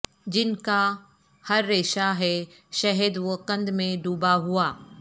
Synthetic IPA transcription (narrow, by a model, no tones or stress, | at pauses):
d͡ʑɪnka | hɐɾːeːʃaɦɛ | ʃɐɦəd̪ʋokɐ̃nd̪mẽɖuːbaɦuaː